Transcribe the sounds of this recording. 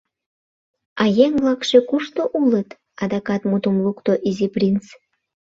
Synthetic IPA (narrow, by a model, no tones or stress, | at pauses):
ɑjeŋvlɑkʃekuʃt̪oʔulət̪ | ɑd̪ɑkɑt̪mut̪umlukt̪oʔiziprʲint͡s